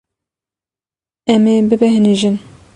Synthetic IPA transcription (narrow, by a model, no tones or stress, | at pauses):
ɛmebɨbɛɦɨniʒɨn